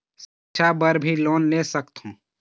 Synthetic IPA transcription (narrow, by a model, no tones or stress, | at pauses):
sitːʃʰabəɾbʱiloːnːesəkt̪ɦũː